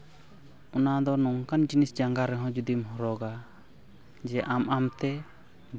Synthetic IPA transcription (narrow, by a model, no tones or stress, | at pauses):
ɔnad̪ɔnɔŋkand͡ʒinisd͡ʒaŋɡaɾɛɦɔ̃d͡ʒud̪imɦɔɾɔɡa | d͡ʒɛʔamamt̪ɛ